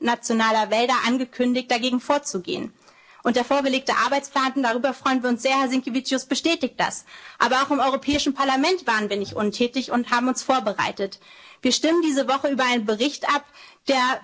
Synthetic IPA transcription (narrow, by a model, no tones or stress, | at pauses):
nat͡sjonaːlɐvɛldɐʔanɡəkʰʏndɪçt̚d̥aɡeːɡŋ̩foːɐt͡suɡḛːən | ʔʊnt̚d̥eːɐfoːɐɡəleːk̚təʔa̰ɐbaɪt͡splaːntn̩daʁ̞yːbɐfʁ̥ɔʏənviːɐʊnsz̥eːɐhɛɐzɪŋkivit͡sjʊsb̥əʃtɛːtɪçt̚d̥a̰sʔaːbɐaʊxɪmʔɔʏʁopʰɛːɪʃn̩pʰaɐlamɛntv̥aːʁənviːɐnɪçtʔʊntʰɛːtɪçʊnthaːbm̩ʊnsfoːɐbəʁa̰ɪtətv̥iːɐʃtɪməndiːzəvɔχəyːbɐaɪnənbəʁɪçtʔapd̥eːɐ